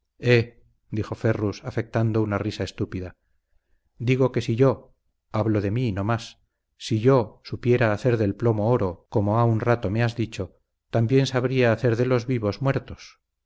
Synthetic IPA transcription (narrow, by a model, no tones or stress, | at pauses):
e | d̪ixo̞fe̞rusafe̞k̚t̪and̪ounarisae̞st̪upiða | d̪iɣo̞ke̞siʝo̞ | aβlo̞ðe̞mino̞masː | iʝo̞supje̞ɾaːθe̞ɾðe̞lplo̞mo̞oɾo̞ko̞moaunrat̪o̞meazðit͡ʃo̞ | t̪ambje̞nsaβɾiaːθe̞ɾðe̞lo̞zβiβo̞zmwe̞ɾt̪o̞s